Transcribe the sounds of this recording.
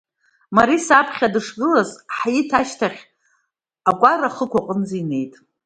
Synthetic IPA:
maɾisapʰχʲadɨʂɡɨlazħajitʰaʃtʰaχʲ | akʷʼaraχəkʷaqʼənd͡ziine̞jtʼ

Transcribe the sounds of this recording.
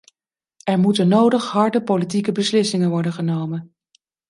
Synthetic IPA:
ɛɹmutənːowdəχɦɑɹdəpolit̬ikəbəslɪsɪŋənʋɔɹdənχənowmən

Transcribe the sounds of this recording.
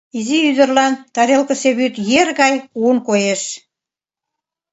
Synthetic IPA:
iziyd̪ə̆rlɑnt̪ɑɾelkə̆seβyt̪jerɣɑjunkojeʃ

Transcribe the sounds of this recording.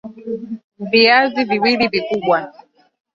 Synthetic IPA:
viaziviwilivikuɓwa

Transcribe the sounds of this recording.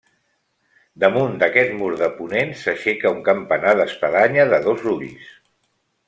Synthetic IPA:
d̪əmund̪əkɛt̪muɾðəpunensəʃɛkəuŋkəmpənaðəspəðaɲəðəðozruβis

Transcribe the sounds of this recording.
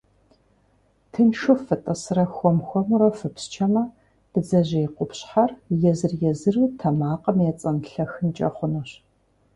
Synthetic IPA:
tʰɨnʂʊfɨtʼɐsɨrɐxʷɔmxʷɔmuɾɐfɨpst͡ʃʰɐmɐ | b̥ɨzɐʑɐjːqʷʊpɕħarjɛzɨrjɛzɨruːtʰɐmaːqʼɐmjɛt͡sʼɐnɬɐxɨnt͡ʃʼɐ̰χʷʊnuɕ

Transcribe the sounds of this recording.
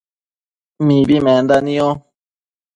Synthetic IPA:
mĩβimẽnd̪anĩõ

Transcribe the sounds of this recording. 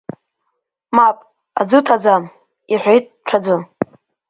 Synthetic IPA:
mapʼ | a̰d͡zɨtʰad͡zam | iħʷejtʼʈ͡ʂʷʰad͡zɨ

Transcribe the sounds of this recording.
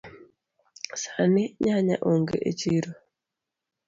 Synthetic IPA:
sanɪɲaɲa̰ʔoŋɡḛʔet͡ʃiɾo

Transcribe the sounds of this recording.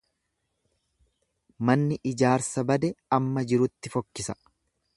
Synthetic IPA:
mɐnːɪʔɪd͡ʒaːɾsɐbɐd̪ɛɐmːɐd͡ʒɪɾʊt̪ːɪfɔkːɪsɐ̥

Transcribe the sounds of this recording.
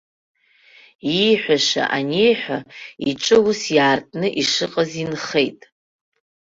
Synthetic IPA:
ijħʷᶣaʂa̰ʔanijħʷᶣaiʈ͡ʂʼɨwusjaːrtʼnɨʔiʂɨqʼazinχejtʼ

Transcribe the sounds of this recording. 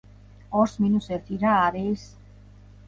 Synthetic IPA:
ɔɾsminusɛɾt̪ʰiɾaːɾɛjs

